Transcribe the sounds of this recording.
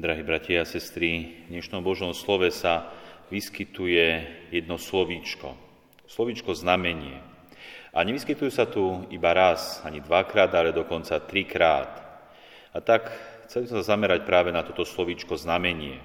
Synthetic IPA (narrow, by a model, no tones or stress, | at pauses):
d̪ɾaɦiːbɾacɪɛasɛst̪ɾiɲɛʃnɔmbɔʒɔmslɔʋɛsaʋiskit̪ujɛjɛd̪nɔslɔʋit͡ʃkɔ̰ | slɔʋit͡ʃkɔznamɛɲɪɛ̰ | ʔaɲɛʋiskit̪ujusat̪uibaɾasaɲid̪ʋakɾaːd̪alɛd̪ɔkɔnt͡sat̪ɾikɾaːt̪ | at̪akxt͡sɛlbizsmɛsazamɛɾac̚pɾaːʋɛnat̪ɔt̪ɔslɔʋiːt͡ʃkɔznamɛɲɪɛ